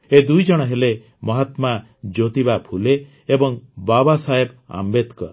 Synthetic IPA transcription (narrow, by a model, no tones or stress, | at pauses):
ed̪ujd͡ʒɔɽ̃ɔɦele | mɔɦat̪ma | d͡ʒot̪ibapʰuleː | bɔŋbabasaɦeba̰mbed̪kɔ̰ɾ